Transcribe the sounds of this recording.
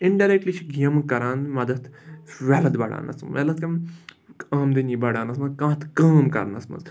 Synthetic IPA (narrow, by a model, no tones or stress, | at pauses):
iɳɖɐɾek̚ʈlit͡ʃʰɡijɐmkɐɾãːnd̪mɐd̪ɐt̪ʋelɐd̪bɐɽa̰ːnɐ̰sʋḛlɐt̪kɐm | aːmd̪inibɐɽaːnɐsmɐzkãːt̪ʰkaːmkɐ̰ɾnɐ̰smɐ̰z